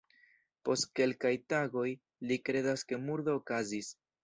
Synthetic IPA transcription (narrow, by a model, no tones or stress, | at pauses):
po̞st̚ke̞lkajtaɡo̞j | likɾe̞daske̞muɾdoːkazis